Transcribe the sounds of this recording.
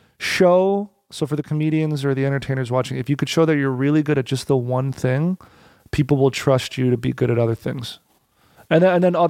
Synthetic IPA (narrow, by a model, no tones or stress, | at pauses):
ʃoʊ | soʊfə˞ðɨkʰəmiɾiɨ̃nzə˞ðiɛ̃ɾ̃ə˞tʰẽɪ̃nə˞zwɑt͡ʃɪ̃ŋɨfjɨkɨd̥ʃoʊðɨt͡ʃə˞ɹɪlˠiɡʊɾɨt̚d̥ʒ̥ʌst̪̚ðəwʌ̃nθɪ̃ŋ | pʰipl̩ˠwəlˠtʰɹ̥ʌst͡ʃɨɾɨbḭɡʊɾɨɾʌðə˞θɪ̰̃ŋz̥ | ɨ̃nðɨ̃nðɨ̃nʌ